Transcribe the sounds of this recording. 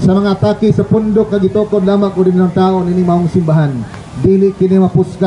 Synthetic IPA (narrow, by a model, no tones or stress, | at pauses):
sɐmɐŋat̪aːkɪsɐpʊnd̪ʊk̚ŋaɡɪt̪oːkod̪laːmaŋʊdininaŋt̪aːʔoninɪŋmaoŋsɪmbaɦan | d̪ilɪʔkɪnimɐpʊska